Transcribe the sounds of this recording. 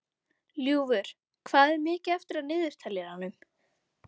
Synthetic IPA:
ljuːvʏɾ̥ | kʰvaːðɛɾmɪːcɪɛft̪ɪɾaðnɪːðʏɾ̥t̪ʰɛljɪɾhanːʏm

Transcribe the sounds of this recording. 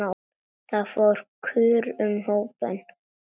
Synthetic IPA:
a | θaðfɔɾ̥kʰʏːɾʏmhoːwpɛ̰n

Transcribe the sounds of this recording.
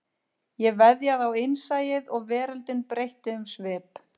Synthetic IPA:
jɛvɛðjaaðawejnsaːjɪðɔɣvɛːɾalt̪ɪnpɾejht̪ɪʏmsvɪːp

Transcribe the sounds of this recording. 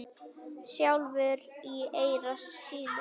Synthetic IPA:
sjawlvʏɾieːjɾasːiːð

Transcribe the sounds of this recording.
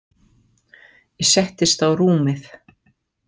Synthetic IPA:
jɛsɛht̪ɪst̪θawruːmɪθ

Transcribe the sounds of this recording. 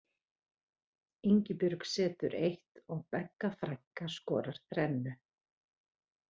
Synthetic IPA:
iɲcɪpʏɾksɛːt̪ʏɾejht̪ɔɣpɛkːafɾajŋkaskɔːɾaɾ̥θɾɛnːʏ

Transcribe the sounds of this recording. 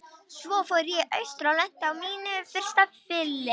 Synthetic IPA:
svɔːfɔɾjɛʔœɥst̪ɾawlɛn̥t̪ɪawmiːnʏfɪɾ̥st̪afɪlːɪ

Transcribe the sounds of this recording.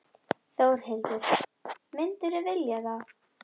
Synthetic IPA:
θowɾ̥hɪlt̪ʏɾ̥mɪnt̪ʏɾʏvɪljaθaw

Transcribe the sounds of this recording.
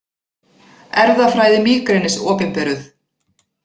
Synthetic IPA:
ɛɾðafɾaːjðɪmiːkɾeːjnɪsɔːpɪmpɛːɾʏθ

